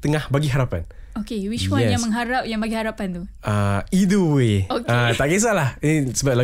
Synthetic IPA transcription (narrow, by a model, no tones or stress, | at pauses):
t̪əŋahbaɡiɦaɾapan | okewiʃwaɛnjãŋməŋɦaɾap̚jaŋbaɡihaɾapant̪u | aiduweokat̪aʔɡes̬alahinisəbap̚la